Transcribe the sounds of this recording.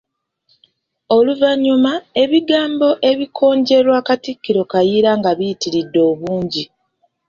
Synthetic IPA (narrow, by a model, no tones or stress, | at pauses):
o̞luvaɲumae̞βiɡaːmbo̞ʔe̞βikʰo̞ːɲɟe̞ɾwaːkatikːiɾo̞kajiɾaŋɡaβijitiɾidːo̞ːβuːɲɟi